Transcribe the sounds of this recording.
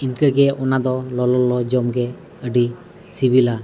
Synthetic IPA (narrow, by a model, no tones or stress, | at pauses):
inkəɡɛʔɔnad̪ɔlɔlɔlɔd͡ʒɔmɡɛ | əɖi | sibila